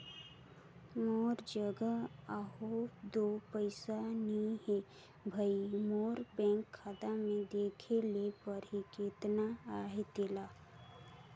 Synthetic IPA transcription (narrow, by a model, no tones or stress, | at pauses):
moːɾd͡ʒəɡəaɦod̪oːpəɪsaniɦe | bʱəimoːɾbɛ̃ːŋkʰːaːd̪amẽd̪eːkʰelepəɾɦikeːt̪naaːɦet̪ɪla